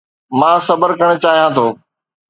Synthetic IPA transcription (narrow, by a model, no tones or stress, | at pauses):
mãːsɐbəɾkəɽ̃̆t͡ɕaːɦijãːt̪ʰoː